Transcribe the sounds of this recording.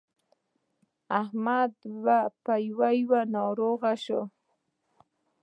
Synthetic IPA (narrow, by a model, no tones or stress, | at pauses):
ahmad̪wapajwajwanɑɾoɣaʃo